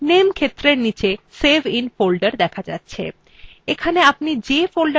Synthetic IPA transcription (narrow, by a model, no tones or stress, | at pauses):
nemkʰet̪ːɾeɾnit͡ɕesebʱinfolɖəɾd̪ɛkʰad͡ʑa̰tːɕʰḛ | ekʰaneapnid͡ʑefolɖə